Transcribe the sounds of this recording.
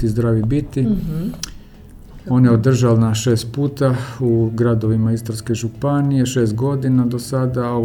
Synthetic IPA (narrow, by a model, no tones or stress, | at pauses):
izd̪ɾaːʋibit̪i | onjeod̪r̩ʒalnaʃe̞ːst̪̚puːt̪auɡɾad̪o̞ʋimaist̪ɾaɾnske̞ʒupanije̞ʃe̞ːst̪̚ɡo̞d̪inad̪osad̪ao